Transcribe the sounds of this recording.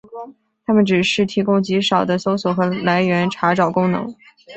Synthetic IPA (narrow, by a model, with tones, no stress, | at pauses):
t̪ʰa˥mə˨nʈ͡ʂɻ̩˨˩ʂɻ̩˥˩t̪ʰi˧˥kʊ˥ŋt͡ɕi˧˥ʂɑ˨˩ʊd̪ə˦so˥ʊswɔ˨˩xɤ˧˥la˧˥ɪɥɛ˧˥nʈ͡ʂʰa˧˥ʈ͡ʂɑ˨˩ʊkʊ˥ŋnɤ̰˧˥ŋ